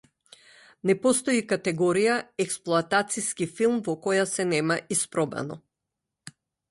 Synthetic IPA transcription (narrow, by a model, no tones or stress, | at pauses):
nɛpɔst̪ɔikat̪ɛɡɔɾijaɛksplˠɔat̪at̪siskifilˠmvɔkɔjasɛnɛmaispɾɔba̰nɔ